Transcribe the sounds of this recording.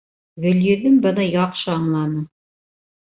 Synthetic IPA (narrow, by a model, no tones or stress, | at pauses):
ɡɵ̆ljɵ̆ðɘmbɤ̆nɤjɑqʃɤɑɴlˠɑnɤ